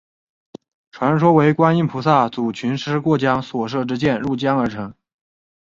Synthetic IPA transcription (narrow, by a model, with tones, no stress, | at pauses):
ʈ͡ʂʰwa˧˥nʂwɔ˥we˧˥ɪkwa˥ni˥˩npʰu˧˥sa˥˩t͡su˨˩t͡ɕʰy˧˥nʂɻ̩˥kwɔ˥˩t͡ɕjɑ˥ŋswɔ˨˩ʂɤ˥˩ʈ͡ʂɻ̩˥t͡ɕjɛ˥˧nɻu˥˩t͡ɕjɑ˥ŋə˞˧˥ʈ͡ʂʰɤ˧˥ŋ